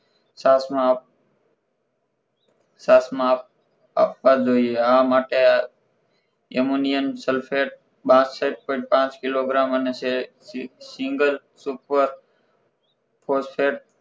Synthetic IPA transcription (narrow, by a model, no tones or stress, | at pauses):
sasmã | saːsmãp̚ | a̰ːpʋad͡ʒoːieamaːʈe | emunijənselpʰeʈ̚ | ɓãːsseːʈ̚põɪʈpãːt͡ʃkɪloɡɾaːmənese | sɪŋɡəl | supəɾ | pʰoːspʰeːʈ̚